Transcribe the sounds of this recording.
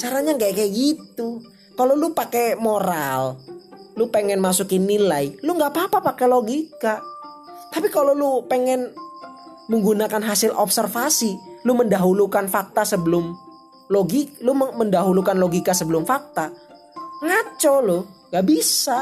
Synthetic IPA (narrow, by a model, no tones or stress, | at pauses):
t͡ʃaɾaɲaŋɡakɛɡit̪u | kalolupakɛmoɾallupeŋɛnmasukinilailuŋɡapapapakɛloɡika | t̪apikalolupeŋɛn | məŋɡunakanɦasɪlʔɔpsərfasiluməndaɦulukanfak̚t̪asəbəlʊm | loɡiluməndaɦulukanloɡikasəbəlʊmfak̚t̪a | ŋat͡ʃɔlʊŋɡaʔbisa